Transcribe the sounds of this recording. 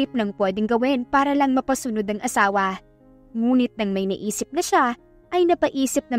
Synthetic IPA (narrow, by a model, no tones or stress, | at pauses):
ɪp̚nɐŋpwɛːd̪ɛŋɡɐwɪnpaːɾɐlɐŋmɐpɐsʊnod̪ɐŋʔɐsaːwɐ | ŋuːnɪt̪̚nɐŋmɐjnɐ̰ʔiːsɪp̚nɐʃa | ʔɐjnɐpɐʔiːsɪp̚nɐ